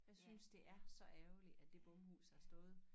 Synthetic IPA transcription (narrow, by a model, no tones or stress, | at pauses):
jɑ̈ɪsynsd̥e̝ʔæɐsɒ̽ʔæːʊliæd̥e̝b̥ɔ̽mhṵːshæsd̥ɔ̽ːð̞̩ˠ